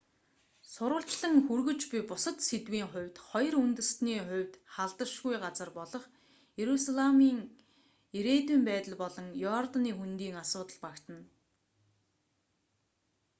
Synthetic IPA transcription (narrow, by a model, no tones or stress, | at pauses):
sʊɾʊːɬt͡ɕɮə̆ŋxurɣɵ̆t͡ɕpʲipʊsə̆t̪set̪wiːŋχʊ̟wʲt̪χɔj̆runt̪ɘ̆rsniːχʊ̟wʲt̪χaɮt̪ə̆rʃɣujɢat͡sə̆rpɔɮɞ̆χ | jeɾusaɮamiːŋ | eɾeːt̪wiːmpæːt̪ə̆ɮpɔɮɞ̆ŋjɔrt̪aniːxunt̪iːŋasʊːt̪ə̆ɮpakt̪ə̆n